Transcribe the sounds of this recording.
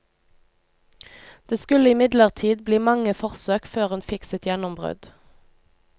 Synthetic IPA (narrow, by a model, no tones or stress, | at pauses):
d̪̥eːskʉləɪmɪd̪ləʁt̪ʰiːd̪bliːmɑŋəfɔʁsøːkføːʁeːnfɪksət̪jɛnɔmbʁø̰d̪̥